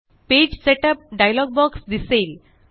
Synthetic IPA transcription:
ped͡ʑseʈəp̚ɖajlɔɡ̚bɔksd̪isel

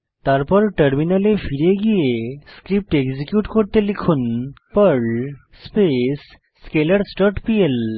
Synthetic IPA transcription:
t̪aɾpɔɾʈəɾminalefʰiɾijeɡijeskɾip̚ʈeɡzikjuʈkoɾt̪elikʰunpəɭ | spesː | keləɽsʈɔʈpiel

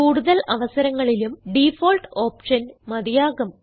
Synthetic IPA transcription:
uːɽuðɐlɐʋɐsɐɾɐŋːɐɭilumɖifoːlʈoːpʂɐnmɐd̪ijaːɡɐm

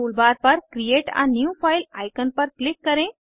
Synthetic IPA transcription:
uːlbaːɾpɐɾkɾijeːʈã̰njufʰaːjlaːjkənpəɾklɪkːəɾẽ

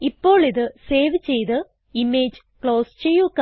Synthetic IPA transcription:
ipːo̞ːɭiðɨse̞ːʋt͡ɕe̞jt̪ɨ | imeːd͡ʑɨkɭo̞ːst͡ɕejːukː

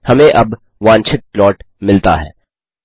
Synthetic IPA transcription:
hɐmẽʔɐb | ʋãːnt͡ʃʰɪt̪̚plɔːʈ | mɪlt̪a̰ɦɛ̰ː

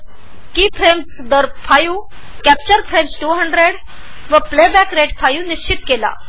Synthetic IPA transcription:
kipʰɾemsd̪əɾfʰaju | kæp̚t͡ɕəɾfʰɾemsʈuɦəɳɖɾeɽ | ʋəplebɛkɾeʈfʰajuːniɕt͡ɕit̪kela̰

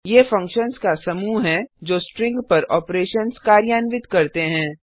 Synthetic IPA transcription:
jeːfɐ̃ŋkʃənskasɐmuːɦɛ̃d͡ʒoːsʈɾɪ̃ŋɡpɐɾɔːpɾeːʃənskaːɾjaːnʋɪt̪kɐɾt̪eɦɛ̃ː

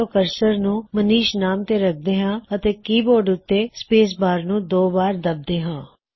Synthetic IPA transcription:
oːkəɾsəɾnũːməniːʃnaːmt̪eːɾək̚ʰd̪eːɦãːət̪eːkiːboːɾɖʊt̪ːeːspeːs̬baːɾnũːd̪oːbaːɾd̪əb̚d̪eːɦãː

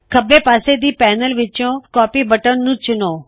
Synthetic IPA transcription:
kʰɐbʱepaːsed̪iːpɛːnəlʋɪt͡ʃõkɔːpibəʈənnũːt͡ʃʊnoː

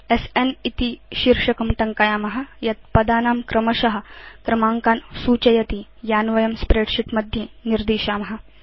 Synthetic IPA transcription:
esenit̪iʃiɾʂɐkɐmʈ̪ɐŋkajaːmɐɦɐ̆jɐt̪̚pɐd̪aːnaːmkɾɐmɐʃɐɦɐ̆kɾɐmaːŋkaːnsuːt͡ʃɐjɐt̪ijaːnʋɐjɐmspɾeːɖʃiʈmɐd̪ʱjeniɾd̪iːʃaːmɐɦɐ̆

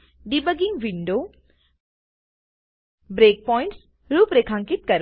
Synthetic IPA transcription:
ɖibəɡiŋɡʋiɳɖoː | bɾeːk̚pɔːɪ̃ɳʈs | ɾuːpɾekʰãŋkit̪̚kɐɾ

